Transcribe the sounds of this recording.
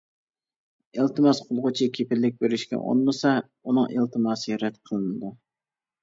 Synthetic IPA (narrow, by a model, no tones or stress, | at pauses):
elˠt̪ɨmɑsqʰʊlˠʁʊt͡ʃʰikʲʰepʰɪlːɪk̚ʲbeɾɪʃkʲɛ̰ʔo̰nlɨsɑ | unɨŋʔḛlˠt̪ʰɨmɑːsɨɾɛt̪qʰəlˠɨnɨd̪u